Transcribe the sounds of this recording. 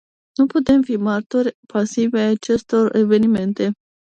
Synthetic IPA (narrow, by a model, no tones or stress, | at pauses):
nuput̪e̞mfimart̪orʲpasivaat͡ʃe̞st̪o̞re̞ve̞nime̞nt̪e̞